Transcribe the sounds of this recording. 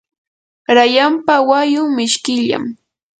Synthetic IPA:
ɾajampawajʊŋmɪʃkɪʎa̰m

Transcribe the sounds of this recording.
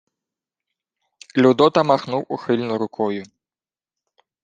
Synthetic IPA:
lʲud̪ɔt̪ɐmaxnuwuxɨlʲnuɾukʰɔju

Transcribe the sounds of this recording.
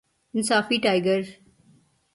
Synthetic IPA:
ɪnsaːfiʈaɪɡəɾ

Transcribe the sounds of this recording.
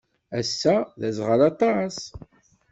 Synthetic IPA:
æsːæðæzʁəlɑt̪ˤɑs

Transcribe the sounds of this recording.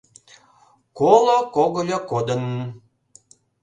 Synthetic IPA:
kolokoɣolʲokod̪ə̆n

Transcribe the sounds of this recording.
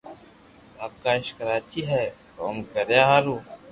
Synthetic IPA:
aːkːaːɪʃkəɾaːt͡ʃiɦɛko̰ːmkəɾjaɦaɾuː

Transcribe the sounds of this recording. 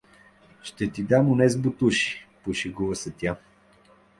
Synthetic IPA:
ʃt̪ɛt̪id̪amʊnɛzbʊt̪uʃi̥poʃiɡuvəsɐt̪ʲa

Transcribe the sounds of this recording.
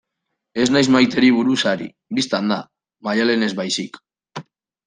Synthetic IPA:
e̞znajzmajt̪e̞ɾiβ̞uɾusaɾḭ | bist̪and̪a | majale̞ne̞zβajsik

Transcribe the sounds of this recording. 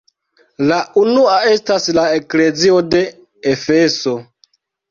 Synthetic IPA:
laʔunuae̞staslaekle̞zio̞de̞ | efe̞so̞

